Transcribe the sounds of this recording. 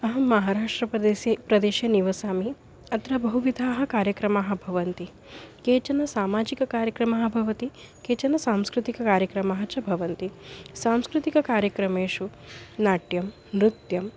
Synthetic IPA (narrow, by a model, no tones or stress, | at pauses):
ɐɦɐmɐɦaːɾaːʂʈɾɐpɾɐd̪eːsjɐpɾɐd̪eːʃjɐniʋɐsaːmi | ɐt̪ɾɐbɐɦuʋid̪ʱaːɦɐ̆kaːɾjɐkɾɐmaːɦɐ̆bʱɐʋɐnt̪i | keːt͡ʃɐnɐsaːmaːd͡ʒikɐkaːɾjɐkɾɐmaːɦɐ̆bʱɐʋɐt̪i | keːt͡ʃɐnɐsaːmskɾut̪ikɐkaːɾjɐkɾɐmaːɦɐt͡ʃɐbʱɐʋɐnt̪isaːmskɾut̪ikɐkaːɾjɐkɾɐmeːʂunaːʈjɐm | ɾut̪jɐm